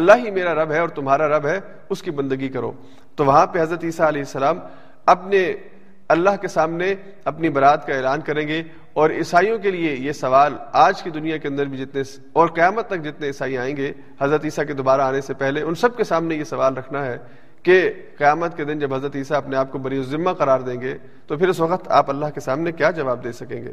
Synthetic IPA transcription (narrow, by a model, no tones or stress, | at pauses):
ɐlːaɦimeːɾaɾɐbɦɛɔːɾt̪ʊmɦaːɾaɾɐbɦɛ | ʊskibɐ̃nd̪əɡikɐɾo̰ː | t̪oʋɐɦãpeɦɐzɾət̪iːsaɐlɛːɦɪsːɐlaːm | ɐpne | ɐlːaɦkesaːmne | ɐpnibɐɾaːt̪kaeːlaːnkɐɾẽːɡe | ɔːɾɪsaːijõkeliejesɐʋaːlaːd͡ʒkid̪ʊnijakeɐ̃nd̪əɾbʱid͡ʒɪt̪nes | ɔːɾqɪjaːmət̪ːɐk̚d͡ʒɪt̪neɪsaːiaːẽːɡeː | hɐzɾət̪iːsak̬ed̪ʊbaːɾaaːnesepɛɦleʊnsɐb̚kesaːmnejesɐʋaːlɾɐkʰnaɦɛ | ke | qɪjaːmət̪ked̪ɪnd͡ʒɐbɦɐzɾət̪iːsaɐpneaːp̚kobɐɾiʊzɪmːaqɐɾaːɾd̪ẽːŋɡeː | t̪opʰɪɾʊsʋɐqət̪a̰ːpɐlːaɦkesaːmnekjaːd͡ʒɐʋaːb̚d̪eːsɐkẽːŋɡḛː